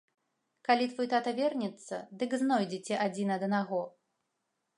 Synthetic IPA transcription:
kalʲit̪vɔjt̪at̪ɐvʲɛrnʲɛt̪sːɐ̰d̪ɨɡznɔjd͡zʲɛt͡sʲɛʔad͡zʲinɐd̪naɣɔ

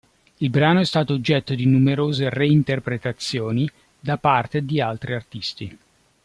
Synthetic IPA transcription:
ilbɾaːnoɛst̪aːt̪oːd͡ʒːɛt̪ːod̪inumeɾoːzereint̪erpɾet̪at̪sːjoːni | d̪apart̪ed̪ialt̪ɾiart̪ist̪i

